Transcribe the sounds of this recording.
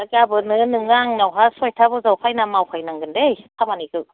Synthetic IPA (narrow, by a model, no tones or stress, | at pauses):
akabɯnɯnɯŋlaŋnawkʰasujt̪ʰabɔzawpʰajnamːawkʰajnaŋɡɯndejt̪ʰamanikɯ